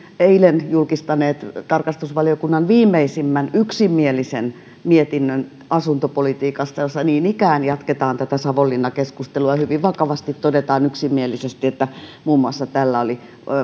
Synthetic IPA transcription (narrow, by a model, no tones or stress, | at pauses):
eilenjulkist̪ɑneːt̪t̪ɑrkɑst̪usʋɑliokunːɑnʋiːmːˑeisimːænyksimːielisen | miet̪inːøn | ɑsunt̪opolit̪iːkɑst̪ɑjosːɑniːnikæːnjɑt̪ket̪ɑːnt̪æt̪æsɑʋolːinːɑkeskust̪eluɑɑhyʋiʋʋɑkɑʋɑst̪it̪t̪odet̪ɑːnyksimːielisest̪iet̪ːæmuːmːuɑsːɑt̪ælːæoli